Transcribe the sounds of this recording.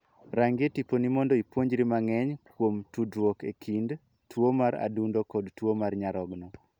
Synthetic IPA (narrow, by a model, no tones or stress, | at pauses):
ɾaŋɡetiponimɔndoipwoɲd͡ʒɾimaŋɛɲkwomtudwokekʰind | twomaɾa̰dundokɔdtwomarɲaɾɔɡnɔ